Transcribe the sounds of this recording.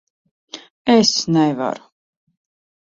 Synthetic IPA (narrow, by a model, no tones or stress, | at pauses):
ɛsnɛjva̰ɾu̥